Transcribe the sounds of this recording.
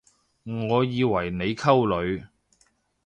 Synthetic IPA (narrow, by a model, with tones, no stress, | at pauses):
ŋɔː˨˧jiː˨˧wɐ˨˩jne˨˧jkʰɐ˥wlɵ˨˧ɥ